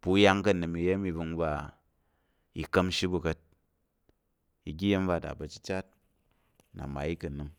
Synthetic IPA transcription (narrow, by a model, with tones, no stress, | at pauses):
bu˦ja˦ŋkɐ˦nɨ˨mi˧˨je˦mi˧bu˧ŋ˦ba˦ | i˧kɐ˦mʃi˦bu˧kɐ˦t̚ | i˨ɡʲi˦je˦mba˦˨da̰˨bɐ˨t͡ʃi˦t͡ʃa˦t̚ | na̰˨ma̰˨i˦kɐ˨nɨ˨m